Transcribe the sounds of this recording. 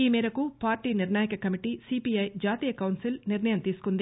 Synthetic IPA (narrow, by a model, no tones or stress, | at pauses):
iːmiːɾɐkupaːɾʈiːniɾnaːjɐkɐkɐmiʈiːsiːpiɐjd͡ʒaːt̪iːjɐkɐwnsilniɾnɐjɐmt̪iːsu̥kund̪i